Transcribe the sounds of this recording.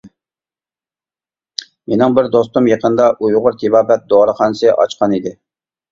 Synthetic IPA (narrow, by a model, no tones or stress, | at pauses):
menɪŋbɪɾd̪ost̪umjeqənd̪ɑʔujʁʊɾt̪ʰibɑːbɛt̪̚d̪oɾəqɑnsɨʔɑ̰t͡ʃqʰɑnid̪ɪ